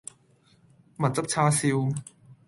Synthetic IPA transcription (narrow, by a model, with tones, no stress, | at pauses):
mɐ˨˩t̚t͡sɐ˥p̚t͡sʰaː˥siː˧w